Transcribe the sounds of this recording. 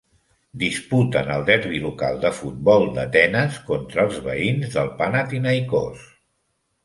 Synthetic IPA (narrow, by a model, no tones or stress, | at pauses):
d̪isput̪ənəlˠd̪ɛɾβiluka̰lˠd̪əfut̪̚bɔlˠd̪ə̰t̪ɛnəskɔnt̪ɾəːlˠzβə̰inzðəlˠpanat̪inajko̰s